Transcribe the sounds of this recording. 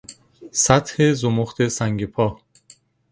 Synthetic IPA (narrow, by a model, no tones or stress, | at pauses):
sæt̪hezomoχt̪ʰesæŋɟepʰɒː